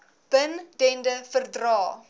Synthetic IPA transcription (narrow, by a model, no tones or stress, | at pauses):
b̥əndɛndəfərdrɑː